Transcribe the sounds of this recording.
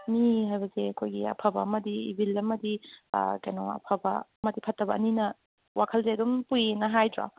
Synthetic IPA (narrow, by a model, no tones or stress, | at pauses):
miɦajbɐseɐkʰojɡiɐ̰pʰɐbɐ̰ɐmɐdiːbʱilɐmɐdḭkajno̰ɐ̰pʰɐbɐ̰ɐmɐdipʰɐtːɐbɐninɐ | wakʰɐlseɐdumpujenɐɦajdɾa̰